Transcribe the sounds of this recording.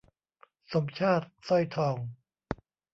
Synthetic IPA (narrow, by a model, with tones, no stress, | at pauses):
so˩˦mt͡ɕʰaː˥˩t̪̚sɔ˥˩jt̪ʰɔː˧˩ŋ